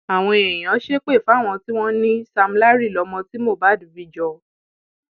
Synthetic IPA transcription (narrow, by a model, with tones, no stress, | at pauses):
a˨w̃ɔ̃˧e˨j̃ã˨˦ʃe˦k͡pe˦˨fa˦˨w̃ɔ̃˧ti˦w̃ɔ̃˦nĩ˦sa˧m̩˦la˦ɾi˦˨lɔ˨˧˦mɔ̃˧ti˦mo˦˨ba˨˦˨du˨˦bi˦d͡ʒɔ˧